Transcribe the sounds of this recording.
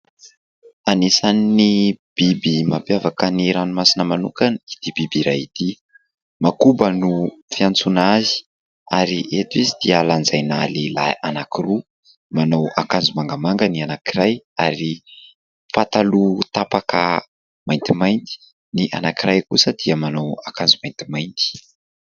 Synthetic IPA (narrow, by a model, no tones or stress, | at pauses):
anisaninib̥ibimapjavakəniɾanumasinəmanukanid̪̥ibibiɾajit̪i | makubənufiant͡sunazi̥ | aɾiʔet̪izid̪̥ialand͡zajnalela̰ʔanakiru | manawa̰kand͡zumaŋɡəmaŋɡənianakiɾajaɾi | fat̪alut̪apakə̰ | majnt̪imajnt̪i̥ | niʔa̰nakirajkusəd̪̥iəmanawakand͡zumajnt̪imajnt̪i̥